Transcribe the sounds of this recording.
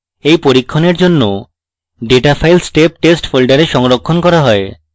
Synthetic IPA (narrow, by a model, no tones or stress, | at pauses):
ejpoɾikʰːoneɾd͡ʑonːo | ɖeʈafʰajlsʈep̚ʈesʈfʰolɖaɾeʃɔŋɾokʰːonkɔɾaɦɔe